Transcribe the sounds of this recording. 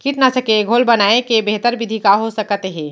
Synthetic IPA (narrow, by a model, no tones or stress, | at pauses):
kiʈnasəkeɡʱolbənaekebeɦt̪əɾbid̪ʱikaɦosəkət̪eɦɛ̃ː